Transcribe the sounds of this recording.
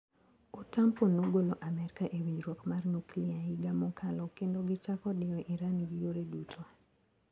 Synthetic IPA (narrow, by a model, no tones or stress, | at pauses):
otamponoɡoloʔamɛɾɪkaʔewid͡ʒɾwɔkmarnukliaiɡamɔkʰalɔkendoɡɪt͡ʃakɔdɪɔʔiɾanɡijoɾedutʰoa